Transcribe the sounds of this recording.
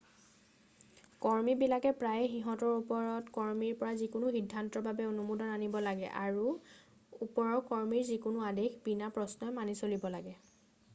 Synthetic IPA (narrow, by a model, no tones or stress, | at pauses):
kɔɹmibilakɛpɹajxiɦɔtɔɹupɔɹɔtkɔɹmiɹpɔɹazikʊnʊxidʱːantɔbabɛonumudɔnanibɔlaɡɛ̰ʔaɹu | upɔɹɔkɔɹmiɹzikʊnʊadexbinapɹɔsnɔjmanisolibɔlaɡɛ